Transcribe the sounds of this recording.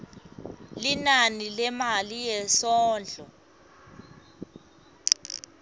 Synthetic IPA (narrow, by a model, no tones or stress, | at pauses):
linanilɛmalijɛsɔːnd͡ɮʱɔ̰